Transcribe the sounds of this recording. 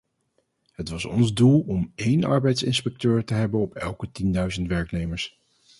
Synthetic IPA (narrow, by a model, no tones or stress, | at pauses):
ɦətʋɑsɔ̰nzdulˠɔmejnɑ̰ɹbɛjtsɪ̰nspɛk̚tøːɹtəɦɛbənɔpʰɛ̰lˠkətindœɥzəntʋɛɹknejməɹs